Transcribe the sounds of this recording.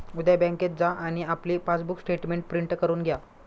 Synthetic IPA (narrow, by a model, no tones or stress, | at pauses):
ud̪jabɛ̃ŋket̪̚d͡zaʔaɽ̃iapliːpat͡sbuksʈeʈmeɳʈ̚pɾiɳʈkəɾuːnɡʱja